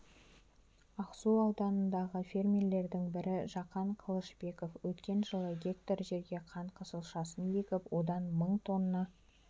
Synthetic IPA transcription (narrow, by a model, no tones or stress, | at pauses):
ɑqsuɑwd̪ɑnənd̪ɑʁəfʲermʲele̞ɾd̪ɪŋbɪɾɪʒɑqɑɴqʰəlˠəʃbe̞ko̞fwɵt̪kʲe̞nʒəlˠəɡʲe̞k̚t̪oɾʒe̞ɾɡʲe̞qʰɑɴqʰəsəlˠʃɑsənje̞kʲɪpwo̞d̪ɑnməɴt̪ʰo̞nːɑ